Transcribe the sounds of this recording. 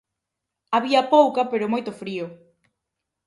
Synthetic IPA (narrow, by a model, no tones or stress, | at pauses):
aβiɐpowkɐpeɾomojt̪ʊfɾio